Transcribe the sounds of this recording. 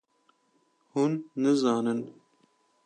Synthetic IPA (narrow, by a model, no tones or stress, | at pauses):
hunːɨzɑːnɨn